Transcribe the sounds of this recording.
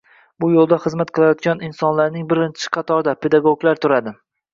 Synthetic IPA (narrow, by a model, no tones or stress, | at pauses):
bʊjolˠd̪aχɨzmat̪qʰɨlˠajɒt̪̚ɡʲanɪnsɒnlaɾnɪŋbɪɾɪnt͡ʃʰɪ̥qʰɑt̪ʰɒɾd̪apʰe̞d̪aɡoɡlaɾt̪ʰʊɾad̪ɪ